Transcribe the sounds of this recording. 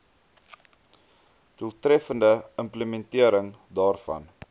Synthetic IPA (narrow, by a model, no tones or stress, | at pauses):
d̥uəlˠtrɛfəndəəmpləmɛntiəɾəŋ | dɑːrfɐ̰n